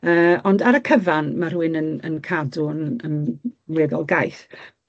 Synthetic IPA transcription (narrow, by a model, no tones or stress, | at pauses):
əːɔndaɾəkʰəvanmar̥uːɨnənənkʰadʊnənwɛðɔlˠɡajθ